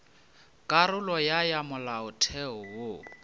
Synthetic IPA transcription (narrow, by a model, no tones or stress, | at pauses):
kʼaɾʊlɔjajamʊlaʊtʰɛɔwo